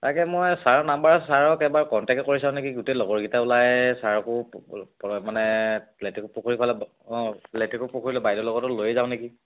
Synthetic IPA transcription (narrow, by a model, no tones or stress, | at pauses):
takɛmojsaɹnambaɹsaɹɔkɛbaɹkɔntɛktkoɹisãʊ̃nekiɡutelɔɡɔɹɡitaʊlajɛsaɹɔkʊpmanɛletikupokʰoɹipʰalɛ | ɔ̃letikʊpukʰoɹilɛbajdɔlɔɡɔtɔlojɛzaʊ̃neki